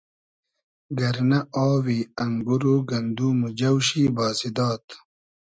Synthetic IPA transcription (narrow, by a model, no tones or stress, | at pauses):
ɡɐɾnɐʔaːwiːɐŋɡuɾoːɡɐnd̪uːmud͡ʑɐwɕiːbaːsid̪ɑːt̪